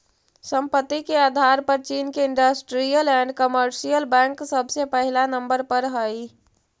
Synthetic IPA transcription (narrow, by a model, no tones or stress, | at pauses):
səmpət̪ːikead̪ʱaɾpəɾt͡ʃinkeɪɳɖəsʈɾijəlɛ̃ɳɖkəməɾsijəlbɛ̃ŋksəbʱsepəɦilanəmbəɾpəɾɦəi